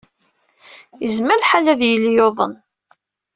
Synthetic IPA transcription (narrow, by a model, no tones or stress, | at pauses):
jəzməɾħalæðjəlːijoðˤə̰n